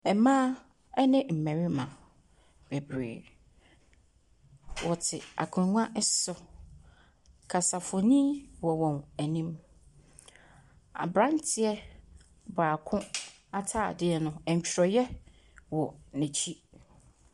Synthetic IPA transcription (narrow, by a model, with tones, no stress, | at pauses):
ɛ˨mã˦ | ɛ˦nɪ̃˦m̩˨mæ̃˨ɾi˦mã˨ | b̥ɛ˨bɾḛː˨ | wʔɔ˨tʰɪ̰˨a̰˨kʰʊ̃˨ɾŋʷ˦ã˦ʔɛ˦sɔ˦ | kʰa˨sa˨fʊ˨nĩ˦wɔ˨wɔ̃˨næ˨nĩ˦m | a̰˨bɾã˦ntʰɪ˨ɛ˦ | baː˨kʰʊ̃˦ | a˦tʰaː˦˨dɪ˦ɛ˨nʊ̃˦ɛ̃˨ɲ̩˨t͡ɕʰᶣɾɔ˨jɛ˦ | wɔ˨nɛ̃˨t͡ɕʰi˦